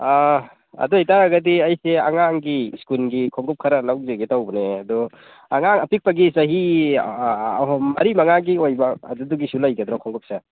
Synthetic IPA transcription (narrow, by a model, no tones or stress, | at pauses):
a | ɐ̰duhajtaɾaɡɐdiajsea̰ŋaŋɡiskulɡikʰɔŋɡɔp̚kʰaɾalawzeɡitawbɔneadɔ | aŋaŋɐpik̚pɐɡisɐɦi | ɦɔmɐ̰ɾimaŋaɡiojba̰ːduduɡisulajɡad̪ɾɔkʰɔŋɡɔp̚se